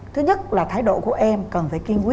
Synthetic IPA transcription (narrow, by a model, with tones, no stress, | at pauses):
t̪ʰɨ˨˦ɲə˦˥t̚laː˨˩t̪ʰaː˨˦jɗo̰˧˨ku˧˩əʔɛ˧mkə˨˩nfaː˧˩jki˧nki˦